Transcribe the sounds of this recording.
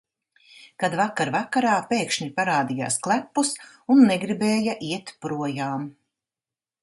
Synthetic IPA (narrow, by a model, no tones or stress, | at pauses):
kad̪vakaɾvakaɾaːpeːkʃɲipaɾaːd̪ija̰ːsklˠæpːus | unːɛɡɾibeːjaʔiɛt̪pɾuɔjaːm